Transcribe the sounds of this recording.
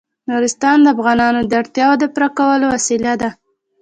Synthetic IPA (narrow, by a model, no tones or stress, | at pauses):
nuɾɪst̪ɑnd̪əafɣɑnɑnod̪əaɽt̪jɑwod̪əpɾakawəlowasilad̪a